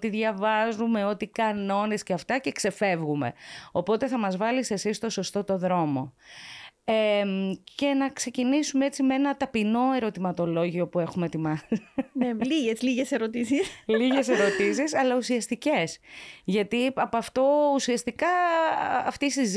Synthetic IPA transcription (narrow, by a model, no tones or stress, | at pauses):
t̪iðʝɐvɐzume̞o̞t̪ikɐno̞nesceɐft̪ɐce̞kse̞fe̞vɣume̞̰o̞po̞t̪e̞θɐmɐzvɐlise̞sist̪o̞so̞st̪o̞t̪o̞ðɾo̞mo̞ | emce̞nɐkse̞cinisumeet͡simee̞nɐt̪ɐpino̞e̞ɾo̞t̪imɐt̪o̞lo̞ʝio̞pue̞xumet̪imɐneliʝezliʝeseɾot̪isisliʝe̞se̞ɾo̞t̪isisɐlɐusiɐst̪ice̞sʝɐt̪iɐpoɐft̪o̞usiɐst̪ikɐː | ft̪isiz